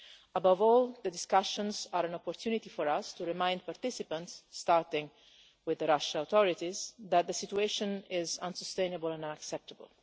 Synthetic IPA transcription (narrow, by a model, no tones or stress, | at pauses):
əbavɔːlˠd̪əd̪ɪskaʃɔ̃nzaɾɛ̃nɔpɔɾt̪ʰjunit̪ifɔɾast̪uɹɪmãjnd̪̚paɾt̪ɪsipə̃ntsːt̪aɾt̪ɪ̃ŋ | wɪðəɾaʃawt̪ɔɹit̪izðæt̪̚d̪əsit̪ueʃɔ̃nɪzãnsɔst̪ẽjnəbəlɛ̃nãnəksɛp̚t̪əbə̰l